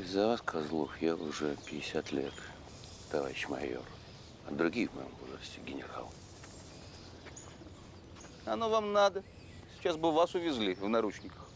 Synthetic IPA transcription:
zɐvaskʰɐzlˠoxjaʊʐɛpʲɪɪsʲat̪lʲḛt̪ | t̪ɐva̰ɾʲɪɕmɐ̰jo̰r | ɐd̪ɾʊɡʲijvmɐ̰jo̰mbozrəsʲtʲɪɡʲɪnʲɪra̰lˠ | ɐnovamnad̪ə | sʲɪ̥t͡ɕasbɨvasʊvʲɪzʲlʲivnɐɾut͡ɕnʲɪkə̥x

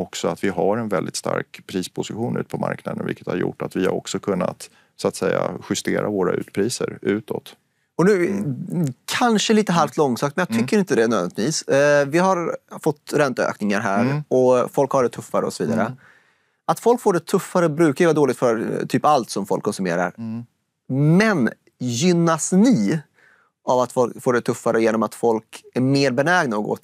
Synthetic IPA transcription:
ɔksɔat̪vɪɦaɾɛnvɛld̪ɪt̪st̪a̰ɾkpʰɾiːspʰʊsɪɧuːnʉ̟ːt̪pʰɔma̰ɾknad̪ənvɪ̰kːət̪ha̰ɾjʊ̰ʈːat̪vɪhaɾɔ̰ksɔkʰɵnːat̪ | sʊat̪sɛjːaɧʏst̪eːɾʔavoːɾaʔʉ̟ːt̪pʰɾiːsəɾʉ̟ːt̪ʰɔt̪ | ɔnʉ̟ː | kʰanʂəliːt̪əɦalft̪lɔŋsakt̪mɛnjɑːt̪ʰʏkːəɾɪnt̪əd̪ɛnœːvnt̪viːsvɪɦaɾfɔt̪ːɾɛnt̪aø̰ːknɪŋaɾɦæːɾɔfɔlkhaɖɛt̪ʰɵfːaɾəɔ̰sɔvḭːd̪a̰ɾə̰ | at̪fɔlkfoːɖɛt̪ʰɵfːaɾəbɾʉ̟ːkavad̪oːlɪt̪fœɾt̪ʰyːpalt̪sɔmfɔlkʰːɔnsɵmḛːɾa̰ɾ | mɛn | jʏnːasnɪ | avat̪fɔlfoːɖɛt̪ʰɵfːaɾʔəjeːnɔmat̪fɔlkæɾmeːɾbɛnɛːɡnaɔɡo̰ːt̪

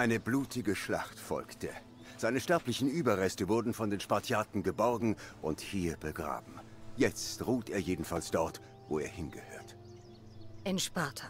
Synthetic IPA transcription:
ʔaɪnəbluːtʰɪɡəʃla̰χtfɔ̰lktə | z̥aɪnəʃtɛɐplɪçn̩ʔyːbɐʁɛstəvʊɐdn̩fɔndeːnʃpaɐt͡sjaːtn̩ɡəbɔʁɡŋ̩ʔʊnthiːɐbəɡʁa̰ːbm̩jɛt͡stʁuːtʔeːɐjeːdn̩falsd̥ɔɐt | voːeːɐhɪnɡəhø̰ːɐt | ʔɛnʃpaːtʰɐ

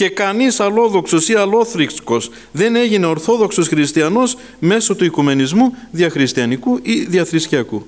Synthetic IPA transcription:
ce̞kɐnisɐlo̞ðo̞kso̞siɐlo̞θɾiksko̞s | ðe̞ne̞ʝine̞o̞ɾθo̞ðo̞kso̞sxɾist̪iɐno̞s | me̞so̞t̪uikume̞nizmu | ðiɐxɾist̪iɐnikuʔiðiɐθɾisciɐku

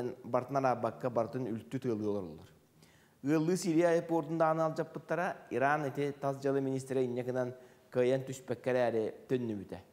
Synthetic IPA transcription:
nbaɾt̪naɾabakːabaɾt̪ɯnylt̪ːyt̪ɯlˠɯolˠoɾo̰lˠuɾ | ɯlˠːɯːsiɾijajapːoɾd̪und̪aːnɯalˠd͡ʒapːɯt̪ːaɾaiɾanet̪ɪt̪azd͡ʒalˠɯminis̬t̪ɾɛinjakɯnan | kɯjant̪yʃpɛkːɛɾæːɾɛt̪ønːybyt̪ɛ

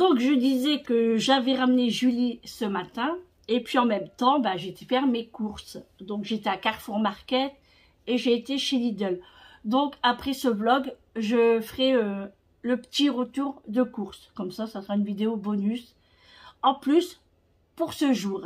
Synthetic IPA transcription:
d̪ɔ̃kʒəd̪izɛkəʒavɛʁamneʒylisəmat̪ɛ̃ | epɥiɑ̃mɛmt̪ɑ̃baʒet̪efɛʁmekuʁsd̪ɔ̃kʒet̪eakaʁfuʁmaʁkʲɛt̪ | eʒeːt̪eʃelid̪œl | d̪ɔ̃kapχɛsəblɔɡ | ʒəfəʁɛø | ləpə̥t̪iʁət̪uʁd̪əkuʁskɔmsasasəʁaynvid̪eobɔnys | ɑ̃plys | puʁsəʒuːʁ

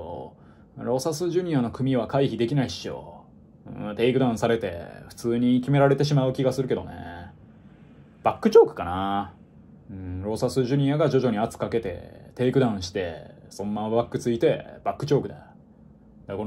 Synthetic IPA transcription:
o | ɾo̞sasɨʑɨɲ̟iano̞kɯ̟mʲiβ̞akaiçid̪e̞kʲinaiɕijo̞̰ | ɯ̰̃t̪e̞ːikɯ̟d̪ãɰ̃saɾe̞t̪e̞̰ɸɯ̟̥t͡sɨːɲ̟ikʲime̞ɾaɾe̞t̪e̞ɕ̬imaɯ̟kʲiɡasɨɾɯ̟ke̞d̪o̞̰nḛ | b̥akːɯ̟t͡ɕo̞ːkɯ̟̥kana | ɯ̃ɾo̞sasɨʑɨɲ̟iaɡad͡ʑo̞ʑo̞ɲ̟iat͡sɨ̥kake̞t̪e̞̰t̪e̞ːikɯ̟d̪ãɰ̃ɕi̥t̪e̞̰sõ̞nːaβakːɯ̟t͡sɨit̪e̞b̥akːɯ̟t͡ɕoːkɯ̟d̪a | d̪̥ako

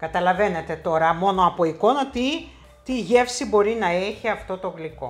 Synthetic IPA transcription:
kɐt̪ɐlɐve̞ne̞t̪e̞t̪o̞ɾɐmo̞no̞ɐpo̞iko̞nɐt̪i | t̪iʝe̞fsibo̞ɾinɐeçiɐft̪o̞t̪o̞ɣliko̞

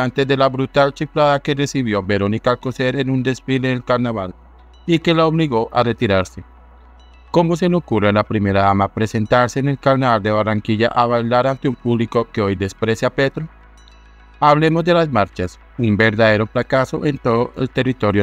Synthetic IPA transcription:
ant̪e̞zðe̞laβɾut̪alt͡ʃiflaðake̞re̞siβjo̞beɾo̞nikalkoseɾenund̪e̞sfile̞ðelkaɾnaβal | ike̞laoβliɣo̞ʔare̞t̪iɾaɾse̞ | ko̞mo̞s̬e̞leokurenlapɾime̞ɾaðamapɾe̞se̞nt̪aɾse̞ːne̞lkaɾnaβald̪eβaraŋkiʝa̰ʔaβajlaɾant̪eumpuβliko̞ke̞o̞jd̪e̞spɾe̞sjapet̪ɾo | aβle̞mo̞zd̪e̞lazmaɾt͡ʃas | umbe̞ɾðaðe̞ɾo̞fɾakaso̞ʔent̪o̞ðoʔe̞̰lt̪e̞rit̪o̞ɾjo

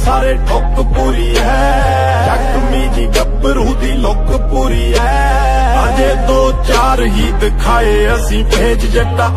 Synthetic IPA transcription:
saːɾeːʈok | puːɾiːɦɛ | ʃə | miːd͡ʒiːɖəbəɾũːd̪iːlok | puːɾiːɦɛː | aːd͡ʒeːd̪oːt͡ʃaːɾɦiːt̪kʰaːeːəsĩːbʱeːd͡ʒd͡ʒəʈaː

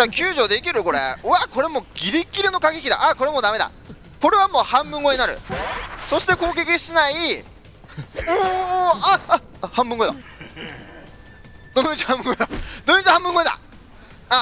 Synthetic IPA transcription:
d͡ʑakʲɨːʑo̞ːd̪e̞ikʲiɾɯ̟ko̞ɾe̞̰ɯako̞ɾe̞mo̞ɡʲiɾʲikʲːiɾɯno̞kaɡʲekʲid̪a̰ʔako̞ɾe̞mo̞d̪ame̞d̪a̰ | ko̞ɾe̞β̞amo̞ːhãmbɯ̟̃ŋɡo̞ɲinaɾɯ̟̰so̞ɕi̥t̪e̞ko̞ːk̬ekʲiɕinai | oːa | hãmbɯ̃ŋɡoed̪a | d̪̥onit͡ɕhãmbɯ̟ŋɡod̪ad̪onit͡ɕihãmbɯ̟̃ŋɡoed̪a̰ | a

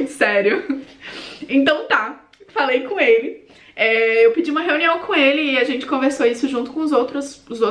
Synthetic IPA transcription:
d͡ʒɪsɛɾjʊ | ẽt̪ɐ̃w̃t̪a | falejkõelɪ | ɛewpid͡ʒiũmɐɦeũniɐ̃w̃kʰõelɪːaʒẽnt͡ʃɪ̥kõveɾsoisʊʒũnt̪ʊkõʊzowt̪ɾʊsʊzo

